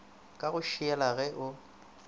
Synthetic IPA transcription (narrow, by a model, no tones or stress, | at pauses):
kʼaɣʊʃiɛlaɣɛʔʊ